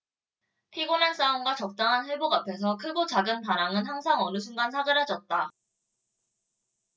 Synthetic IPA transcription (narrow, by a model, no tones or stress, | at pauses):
pʰiɡonans͈aoŋɡwat͡ɕʌk̚t͈aŋɦanɸeɭboɡapʰe̞s̬ʰʌkʰɯɡot͡ɕaɡɯnpaɾaŋɯnhaŋsʰaŋʌnɯsʰuŋɡansʰaɡɯɾɦad͡ʑʌt̚t͈a